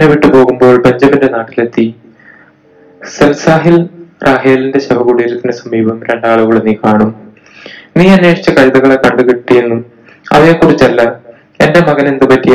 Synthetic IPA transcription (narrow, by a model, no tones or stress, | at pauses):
neʋiʈːɨpo̞ːɣumbo̞ːɭbeɲd͡ʑɐminde̞naːʈːile̞t̪ːi | sɐlsaːɦilrʔaːɦeːlinde̞ɕɐbɐɣuɽijeɾt̪ːinesɐmiːbɐmɾe̞ɳɖaːɭuɣɐɭenːiːkaːɳum | niːɐnːe̞ːʂi̥t͡ɕːɐkɐɻiðɐɣɐɭekːɐɽɐðukiʈːijenːum | ɐ̰ʋe̞ːkːurit͡ɕːɐlːɐ | e̞ndemɐɣɐne̞nd̪ɨpɐtːi